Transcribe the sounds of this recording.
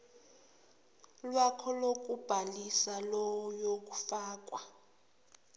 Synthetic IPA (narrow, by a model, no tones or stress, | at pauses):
lwakʰɔlok̬ʼub̥ʱalisalɔjok̬ʼufaːk̬ʼwa